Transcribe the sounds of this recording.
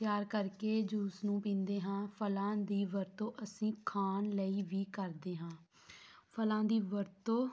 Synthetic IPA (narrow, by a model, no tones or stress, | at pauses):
t̪jaːɾkəɾkeːd͡ʒuːsnũːpĩːnd̪eːɦãːpʰəlãːd̪iːʋəɾt̪õːʔəsĩːkʰaːnləiːʋiːkəɾd̪eːɦãː | pʰəlãːd̪iːʋəɾt̪õː